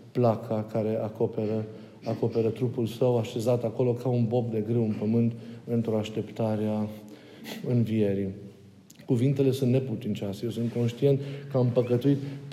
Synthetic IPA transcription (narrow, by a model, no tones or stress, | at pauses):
plakʰakaɾe̞ʔakopeɾə | ako̞pe̞ɾət̪ɾupulsəwaʃe̞zat̪ako̞lo̞kaunbo̞pd̪e̞ɡɾewɨnpəmɨnt̪pent̪ɾuaʃt̪e̞pt̪aɾea | ɨnvije̞ɾi | kuvint̪e̞le̞sunt̪ne̞put̪int͡ʃaseje̞wsunt̪̚ko̞nʃt̪ie̞nt̪kəampəkət̪uit̪p